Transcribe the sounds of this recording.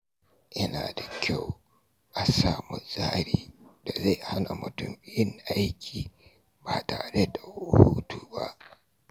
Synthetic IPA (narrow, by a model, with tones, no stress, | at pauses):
jɐ˦naː˨da˨kʲa˦˨w | ʔa˨saː˦˨mʊ˨zaː˦ɾiː˨da˨za˦˨jha˦na˨mʊ˨tʊ˦m˦jɪ˦ŋʔa˦jkʲʰiː˨ | baː˨taː˨ɽe˦da˨ʊ˨huː˦tuː˨ba̰˦ʔ